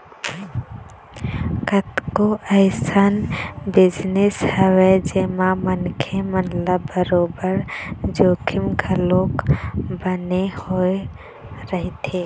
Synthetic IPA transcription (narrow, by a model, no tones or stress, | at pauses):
kət̪koʔəɪsənbɪd͡ʒnɪshɛwed͡ʒemamənkʰemənləbəɾoːbəɾd͡ʒoːkʰɪmɡʱəlokbənehoe | ɾəɦit̪ʰe